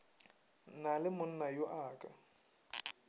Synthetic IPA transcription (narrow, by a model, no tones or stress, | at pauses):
nalɪmʊn̩najoʔaːkʼa